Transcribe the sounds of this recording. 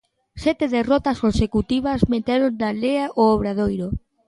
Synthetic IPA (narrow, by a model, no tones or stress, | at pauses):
sɛt̪eðerɔt̪askonsekut̪iβ̞azmet̪eɾondaleaʔooβ̞ɾað̞ojɾo